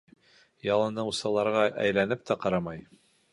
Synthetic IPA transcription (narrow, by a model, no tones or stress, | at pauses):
jɑlˠɤ̆nɤusɑlˠɑɾʁɑʔæ̰jlænɘp̚t̪æqɑɾɑmɑj